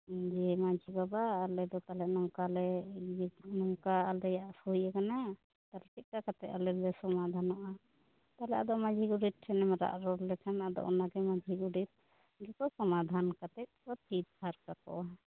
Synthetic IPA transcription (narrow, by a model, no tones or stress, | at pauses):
d͡ʒɛmad͡ʒibabaːlɛd̪ɔt̪alɛʔnɔŋkalɛ | nɔŋkaːlɛjaʔsujɛkana | t̪alpit̪̚kakat̪ɛʔ̚alɛlɛsɔmad̪ʱanɔʔa | t̪alɛad̪ɔmad͡ʒʱiɡuɖit̪̚ʰɛnɛmɛɾa̰ʔɾɔllɛkʰanad̪ɔ̰ʔɔnaɡɛmad͡ʒʱiɡuɖit̪̚ | ɡɛkɔsɔmad̪ʱankat̪ɛʔ̚kɔt̪ʰit̪̚bʰaɾkakɔ̰ʔa